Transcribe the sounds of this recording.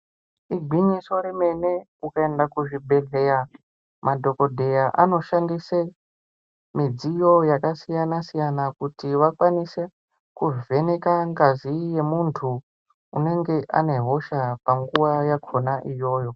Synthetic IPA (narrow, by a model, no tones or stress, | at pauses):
iɡʱwiɲisoɾeme̞nekukaendakuʐibʱe̞ɮeɾa | madʱo̞ko̞dʱe̞jaʔano̞ʃandise | mid͡zijo̞jakasijanasijanakutiʋakwanise | kuve̞nekaŋɡazije̞muntʰuː | ne̞ŋɡe̞ʔa̰ne̞ɦo̞ʃapaŋɡuwajakʰo̞naʔijo̞ːjo̞